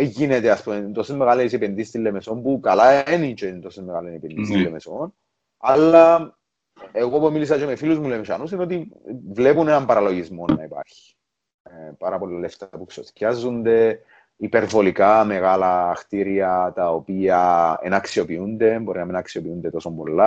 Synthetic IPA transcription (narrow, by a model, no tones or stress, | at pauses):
ʝinet̪easpument̪o̞someɣalesipenðist̪ilːemeso̞mpukɐlaenit͡ʃeint̪o̞some̞ɣalenepenðist̪ilːemeson | alːɐ | eɣo̞pumilis̬ɐt͡ʃemefiluzmulemsɐnusino̞t̪ivlepunenɐmpɐɾɐlo̞ʝizmo̞nːɐipa̰ɾçi̥ | paɾɐpo̞lːaleft̪apuksoθcazːund̪e̞ | ipe̞ɾvo̞likame̞ɣalɐːxt̪iɾiɐt̪ɐopiɐḛnɐksio̞piund̪e̞mbo̞ɾinɐminɐksio̞piund̪et̪o̞sombo̞̰lːa